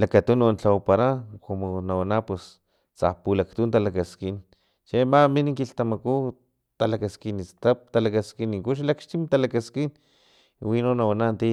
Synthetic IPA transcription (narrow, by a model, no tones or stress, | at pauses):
lakat̪unont͡ɬawpaɾakomonawanapwes | t͡sa̰hpulakt̪unt̪alakaskin | t͡ʃemaminiŋkiɬt̪amaku | t̪alakaskinist̪ap̚t̪alakaskiniŋkuʃ̬lakʃt͡ʃ̪imt̪alakaskin | winonːawanant̪i